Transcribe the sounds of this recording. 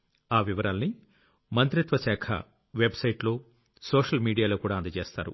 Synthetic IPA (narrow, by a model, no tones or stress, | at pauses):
aːʋiʋɐɾaːlɐni | mɐnt̪ɾit̪ʋɐʃɛːkʰɐ̰ | ʋebsɐjʈlo̞ː | soːʂɐlmiːɽijaːlo̞ːkuːɽaːɐnd̪ɐt͡ʃeːst̪a̰ːɾṵ